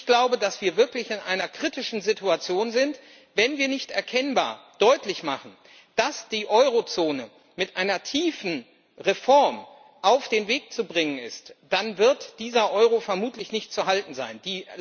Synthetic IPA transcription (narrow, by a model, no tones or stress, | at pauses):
çɡ̥laʊbədasv̥iːɐvɪɐklɪçɪnʔa̰ɪnɐkʁ̥itɪʃn̩zɪtuat͡sjoːnzɪnt | vɛnviːɐnɪçtʔɛɐkʰɛnbaːɐd̥ɔʏtlɪçmaχn̩ | d̥asd̥iːʔɔʏʁ̞ot͡soːnə | mɪtʔaɪnɐtʰiːfn̩ | ʁefɔɐm | ʔaʊfd̥eːnveːk̚t͡subʁɪŋənɪ̰std̥anvɪɐtd̥iːzɐʔɔʏʁ̞ofɛɐmuːtʰlɪçnɪçt̚t͡suɦaltn̩za̰ɪndiː